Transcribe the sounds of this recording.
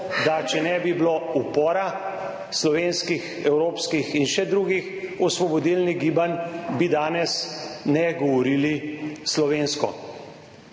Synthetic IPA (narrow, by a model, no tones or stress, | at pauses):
d̪at͡ʃɛnɛbibloupɔːɾa | slɔʋeːnskix | ɛwɾoːpskixinʃɛd̪ɾuɡixɔsʋɔbɔd̪ilniɡiːbanbid̪aːnɛsnɛɡɔʋɔɾiːlislɔʋeːnskɔ̰